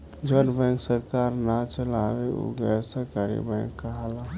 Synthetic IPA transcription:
d͡ʒəɾbɛ̃ŋksəɾkaːɾnat͡ʃəlaweṵɡəsəkaɾḭbɛ̃ŋkːaɦala

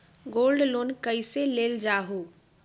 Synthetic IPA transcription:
ɡoːlɖloːnkəiseleːld͡ʒaːɦoː

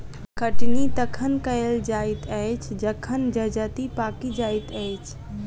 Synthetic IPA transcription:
kəʈnit̪əkʰənkəɪld͡ʒaɪt̪əjt͡ʃʰd͡ʒəkʰənd͡ʒəd͡ʒət̪ipakid͡ʒajt̪əjt͡ʃʰ

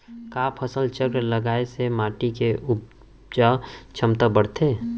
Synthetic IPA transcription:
kaːpʰəsəlt͡ʃəɡɾləɡaːesemaːʈikeʔʊ | d͡ʒat͡ʃʰəmt̪abəɽt̪ʰeː

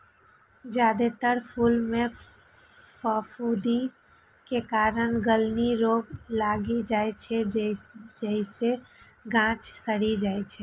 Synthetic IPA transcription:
d͡ʒad̪et̪əɾpʰulme | pʰəfʰud̪i | kekaɾənɡəlniɾoɡlaɡid͡ʒaet͡ʃʰɛd͡ʒd͡ʒəiseɡãt͡ʃsəɽid͡ʒajt͡ʃʰɛ

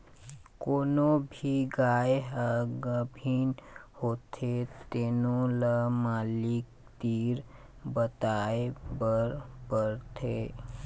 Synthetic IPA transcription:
koːnobʱiɡaeɦəɡəbʱinhoːt̪ʰet̪enoləmaːlik̚ | t̪iɾ | bət̪aebəɾbəɾt̪ʰe

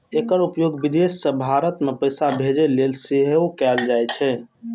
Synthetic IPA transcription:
ekəɾupjoɡbid̪esːəbʱaɾət̪mepəjsabʱed͡ʒelelsiɦeukɛld͡ʒajt͡ʃʰɛ

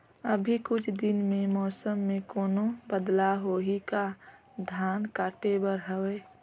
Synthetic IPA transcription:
əbʱikʊt͡ʃʰd̪ɪnmẽmɔːsəmːẽkoːnobəd̪laɦoːɦika | d̪ʱjaːnkaːʈebəɾɦəweː

